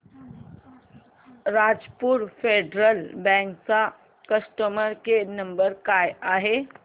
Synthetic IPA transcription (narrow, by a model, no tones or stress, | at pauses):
ɾad͡zpuːɾfeɖɾəlbɛ̃ŋkt͡sa | kəsʈəməɾkenəmbəɾkajaɦe